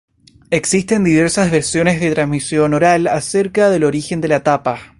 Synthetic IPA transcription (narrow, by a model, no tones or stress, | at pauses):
eksist̪e̞nd̪iβ̞eɾsazβeɾsjo̞nezðet̪ɾansmisjo̞noɾalase̞ɾkaðelo̞ɾixe̞nd̪e̞lat̪apa